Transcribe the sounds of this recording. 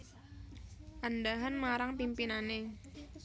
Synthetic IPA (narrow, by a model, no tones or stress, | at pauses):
ʔandaɦanmaɾaŋpimpinane